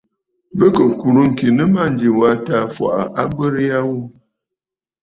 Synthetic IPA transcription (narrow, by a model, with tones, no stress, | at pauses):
bə˦kə˨ku˨ɾu˦ŋ̩˨ki˨nə˦ma˦˨n̩˨d͡ʒi˨wa˦taː˨˦fwa̰˨ʔa̰˨ʔa˦ɡ͡bə˦ɾja˦wu˦